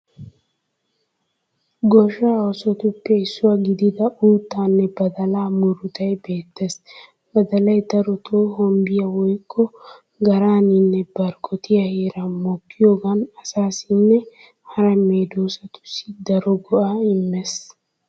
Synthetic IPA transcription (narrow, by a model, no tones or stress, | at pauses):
ɡɔʃaːɔsɔt̪ʊpːɛɪsːʊwaɡɪd̪ɪd̪ɐuːt̪ːaːnːɛbɐd̪ɐlaːmʊɾʊt̪ɐjbe̞ːt̪ːes | b̥ɐd̪ɐlɐjd̪ɐɾɔt̪ʰoːhɔmbɪjɐwɔjkʰʼːɔ | ɡɐɾaːnɪnːɛbɐɾkʼɔt̪ɪjɐheːɾɐmɔkːɪjoːɡɐnɐsaːsɪnːɛ | hɐɾɐmeːd̪oːsɐt̪ʊ̥sːɪd̪ɐɾɔɡɔʔaɪmːɛs